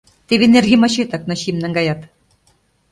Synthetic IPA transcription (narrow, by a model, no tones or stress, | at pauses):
t̪eβenerɣemɑɕet̪ɑk̚nɤ̆ɕimnæŋɡɑjɑt̪